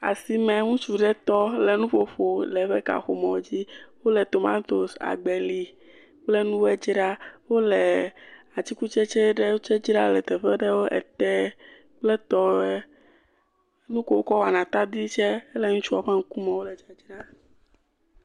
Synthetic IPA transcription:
a̰˨si˨mɛ̃˨ŋũ˦t͡ʃu˨ɖɛ˦t̪ɔ˦lɛ˨nũ˦ɸo˦ɸo˨lɛ˨˦ɸɛ˦ka̰˨xo̰˨mɔ̃˨o˦d͡ʑi˦wo˦lɛ˨t̪o˨ma̰˦t̪o˨sa̰˨ɡ͡bɛ˨li˨ | k͡plɛ˦nũ˦wɛ˦d͡ʑi˦ɖa˦wo˦lɛ˨a˨t͡ɕi˦ku˦t͡ʃɛ˦t͡ʃɛ˦ɖɛ˦wo˦t͡ʃɛ˦d͡ʒi˦ɾa˦lɛ˨t̪ɛ˨ɸɛ˦ɖɛ˦wo˦ʔɛ̰˨t̪ɛ˦ | k͡plɛ˦t̪ɔ˦ɛ˦ | nũ˦ko˨wo˦kɔ˦wo˨a˨nã˨t̪a˦d̪i˦t͡ʃɛ˦ɛ˦lɛ˨ŋũ˦t͡ʃu˦a˨ɸa˦ŋ̩˦ku˦mɛ̃˨wo˦lɛ˨d͡ʒa˨d͡ʒi˦ɾa˦

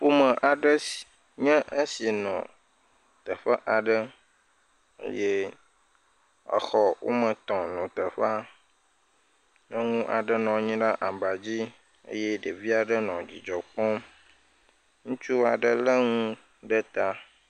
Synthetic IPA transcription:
ɸu˦mə̃˨ʔa˨ɖə˦s | ɲɛ̃˦ʔe˦si˨nɔ̰̃˨ | t̪ə˨ɸə˦ʔa˨ɖə˦ | ḛ˦je˦ | ə̰˨xɔ˨wo̰˦mə̃˨t̪ɔ̃˨nɔ̃˨t̪ə˨ɸa˦ | nə̃˦ŋũ˦ʔa̰˨ɖə˦nɔ̃˨˦ɲĩ˦ɖa˦ʔa˨ba˨d͡ʑi˦ | ḛ˦jɛ˦ɖə˨vi˦a˨ɖə˦nɔ̃˨d͡ʑi˨d͡ʒɔ˨k͡pɔ̃˦m | ŋũ˦t͡ʃu˦a˨ɖə˦lə˦ŋũ˦ | ɖə˦t̪a˦

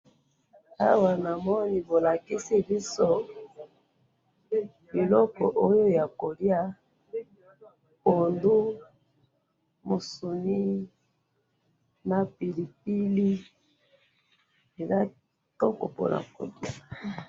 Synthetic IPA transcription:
a˦wa˨na˨mɔ˦ni˨bo˨la˨ki˦si˦bi˦so˦ | e˨lɔ˦kɔ̰˨ʔo˦jo˦ja˨ko˨dja˦ | po˨ndu˦ | mo˨su˨ni˦ | na˨pi˨li˨p̚i˦li˦ | e˨za˦ | to˦ko̰˨po̰˨nʔa̰˨ko̰˨dja˨

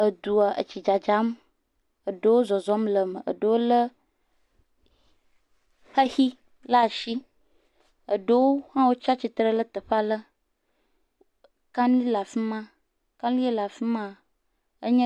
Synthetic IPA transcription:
ə˨d̪u˨a˨ʔə̰˨t͡ʃi˨d͡ʒa˨d͡ʒa˨˦m | ə˨ɖə˦wo˦zɔ˨zɔ˦mlə˨mə˨ə̰˨ɖo˨wo˦lə˦ | hə˦hi˦ | la˦˨ʃi˦ | ə˨ɖə˦wo˦hã˦wo˦t͡ʃa˦t͡ʃi˨t̪ɾə˦lə˦t̪ə˨ɸa˦lə˦ | kã˦nli˦la˨fi˦mã˦ | kã˦li˦e˦la˨fi˦mã˦ | ə˦ɲə̃˦

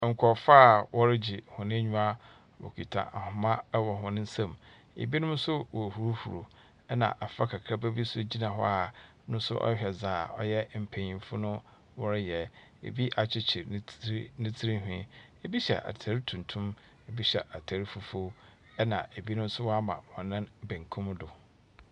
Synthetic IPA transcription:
ŋ̩˨kʷʰɔ˨fa˦˨wʔɔ˦ɾɪ˦d͡ʑi˨hʊ̃˨nɪ̃˦ɲᶣũ˦a˦ | wɔ̰˨kʰᶣi˨tʰa̰˨ʔa˨hʊ̃˨mã˦wɔ˨ɦʊ̃˨nɪ̃˦n̩˦sã˦m | ḛ˨bi˦nʊ̃˦m˦sʊ˦wɔ˨hu˨ɾu˦hu˨ɾo˨ | ɛ˦nã̰˨ʔa˨fa˦kʰa˨kʰɾa˦bæ˦bi˦sʊ˦d͡ʑi˦nã˨ɦɔ̰˦a˨ | nʊ̃˦n˦sʊ̰˦ʔɔ̰˦ɕᶣɛ˨zaː˨ɔ̰˦jɛ˦m̩˨pʰẽ˨ɲĩ˨˦fʊ˦nʊ̃˦ | wɔ˦ɾɪ˦jɛ˨ | ḛ˨bi˦ʔa˨t͡ɕʰɪ˦t͡ɕʰɪ˨˦nɪ̃˦tʰi˦ɾi˦ɦᶣḭ̃˦ | e˨bi˦ɕɛ̰˨ʔa̰˨tʰæ˨ɾi˦tʰũ˨ntʰʊ̃˦m | e˨bi˦ɕɛ˨ʔa˨tʰæ˨ɾi˦fu˨fo˦ | ɛ˦nã̰˨ʔe˨bi˦nʊ̃˦m˦sʊ˦wɔ˦a˦mã̰˨wɔ̃˨nã˦nbẽ˨ŋkʰʊ̃˦m˦dʊ˨

